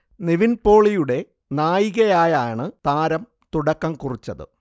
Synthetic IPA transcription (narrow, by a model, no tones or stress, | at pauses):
niʋinpo̞ːɭijuɽe̞ | naːjiɣɐjaːjaːɳɨt̪aːɾɐm | t̪uɽɐkːɐmkurit͡ɕːɐðɨ̰